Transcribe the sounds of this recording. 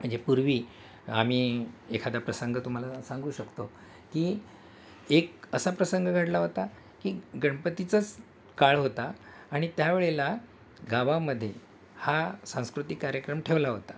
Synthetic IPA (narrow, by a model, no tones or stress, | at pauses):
m̤əɳd͡zepuɾʋiː | a̰m̤iːekʰad̪apɾəsəŋɡət̪um̤alasãŋɡuːɕəkt̪o | kiː | ekəsapɾəsəŋɡəɡʱəʈlaɦot̪a | kiːɡəɳpət̪it͡sət͡s | kaɭɦot̪aː | ɽ̃it̪jaʋeɭela | ɡaʋaməd̪ʱːje | hasãw̃skɾut̪ikːaɾjəkɾəmʈʰeʋlaɦot̪ḁ